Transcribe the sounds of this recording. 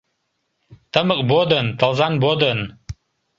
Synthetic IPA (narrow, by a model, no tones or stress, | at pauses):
t̪ʰəməqʼbod̪ənt̪ʰəlˠzanbod̪ən